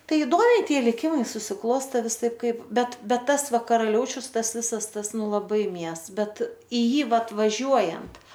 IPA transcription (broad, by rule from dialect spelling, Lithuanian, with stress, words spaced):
ˈtɐɪ ɪˈdoːmʲɛɪ ˈtʲiɛ lʲɪˈkʲɪmɐɪ sʊsʲɪˈklˠoːsʲtʲɛ ʋʲɪˈsɐɪp ˈkɐɪp ˈbʲɛt bʲɛt ˈtɐs ˈʋɐ kɐrɐˈlʲɛʊt͡ʃʲʊs ˈtɐs ˈʋʲɪsɐs ˈtɐs ˈnʊ lˠɐˈbɐɪ ˈmʲiɛs ˈbʲɛt ɪ ˈjiː ˈʋɐt ʋɐˈʒʲuɔjɛnt